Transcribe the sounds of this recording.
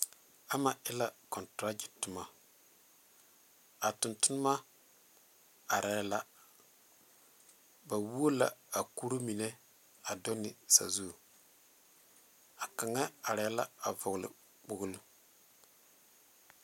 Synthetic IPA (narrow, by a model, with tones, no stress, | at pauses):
a˦ma˨ɪ˦la˦kɔ˨ntɾa˦d͡ʒi˨tʊ˨ma˨ | a˨tʊ˨ntʊ˦n˦ma˦ | a˨ɾɛ˨˦la˦ | ba˨wu˦o˦la̰˨a˨ku˦ɾo˦mi˨ne˦ | a˨dɔ˦nɪ˨sa̰˨zu˦˨ | a˨ka˨ŋa˦a˨ɾɛ˨˦la˦a˨vʊ˨ɣlɪ̰˨ | k͡pʊ˨ɡlu˦